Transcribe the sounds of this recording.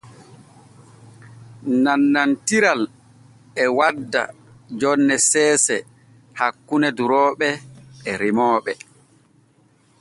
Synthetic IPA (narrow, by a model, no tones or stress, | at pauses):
nanːantiɾal | ɛwadːa̰ | d͡ʒɔnːɛsɛːsɛ | hakːunɛduɾɔːɓɛːɾimɔːɓɛ